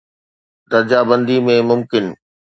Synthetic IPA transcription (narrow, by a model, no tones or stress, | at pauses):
d̪ɐɾd͡ʑaːbɐ̃nd̪imẽmʊmkɪn